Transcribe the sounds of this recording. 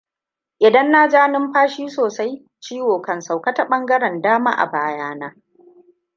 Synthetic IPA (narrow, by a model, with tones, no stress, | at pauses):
ʔɪ˨dɐ˦nːaː˦d͡ʒaː˦nɪ˦mɸaː˦ʃiː˦soː˨sa˦j | t͡ʃiː˦woː˨kɐ˨nsa˨wkɐ˦ta˨ɓɐ˦ŋɡɐ˦ɽɐ˨ndaː˦ma̰ː˦ʔa̰˨baː˦jaː˦naː˦